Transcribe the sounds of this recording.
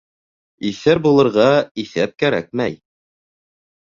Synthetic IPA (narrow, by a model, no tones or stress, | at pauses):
iθɘɾbulˠɤ̆ɾʁɑiθæp̚kæɾæk̚mæj